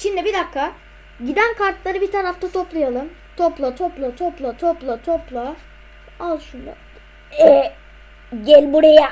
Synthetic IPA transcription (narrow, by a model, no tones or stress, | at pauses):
ʃind̪ibid̪akːa | ɟid̪ænkʰaɾt̪lˠaɾɯbit̪ʰaɾaft̪ʰat̪ʰoplˠajalˠɯm | t̪ʰoplˠat̪ʰoplˠat̪ʰoplˠat̪ʰoplˠat̪ʰoplˠa | azˠʃund̪ˠa̰ | ɛ | ɟɛlʲbuɾeja